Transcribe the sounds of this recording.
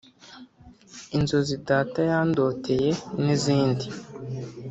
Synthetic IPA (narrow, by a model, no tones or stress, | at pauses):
inzozidaːtajaːndo̞tʰe̞je̞niziːndi